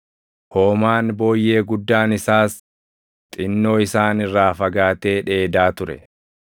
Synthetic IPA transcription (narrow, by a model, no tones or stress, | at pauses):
hoːmaːnbo̞ːjːe̞ːɡʊd̪ːaːnɪsaːs | t̪ʼɪnːo̞ːɪsaːnɪrːaːfɐɡaːt̪e̞ːᶑe̞ːd̪aːt̪ʊɾɛ̰